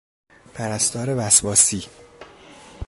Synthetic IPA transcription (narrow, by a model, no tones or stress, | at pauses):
pʰæɾæst̪ɒːɾevæsbɒːsiː